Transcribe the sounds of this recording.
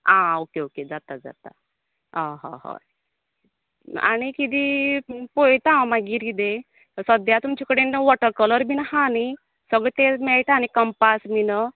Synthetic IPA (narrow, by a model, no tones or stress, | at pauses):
ãokeoked͡zat̪ad͡za̰t̪a̰ | aɦɔ̰ɦɔ̰ | a̰nikid̪ipojt̪ãmaɡiɾid̪e | səd̪jat̪umt͡ɕikəɽenʋɔʈəɾkɔləɾbinhani | səɡɭet̪emɛɭʈañikəmpasminə